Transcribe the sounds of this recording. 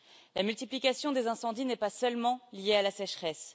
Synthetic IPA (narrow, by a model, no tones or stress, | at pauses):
lamylt̪iplikʲasjɔ̃d̪ezɛ̃sɑ̃d̪inɛpasœlmɑ̃lijealasɛʃχɛs